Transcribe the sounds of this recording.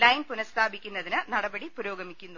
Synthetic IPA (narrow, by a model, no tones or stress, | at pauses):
lɐjnpunɐst̪ʰaːbikʲːunːɐðinɨnɐɽɐbɐɽipuɾoːɡɐmikʲːunːu